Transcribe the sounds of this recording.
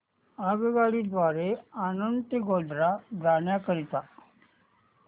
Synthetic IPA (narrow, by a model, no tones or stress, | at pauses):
aːɡɡaːɽid̪ʋaːɾeaːnənt̪eɡoːd̪ɾad̪aːnjakəɾit̪aː